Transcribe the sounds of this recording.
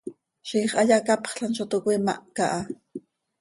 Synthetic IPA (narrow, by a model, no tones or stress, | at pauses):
ʃiːχaʎakapχɬanʃot̪okwima̰ʔkaʔa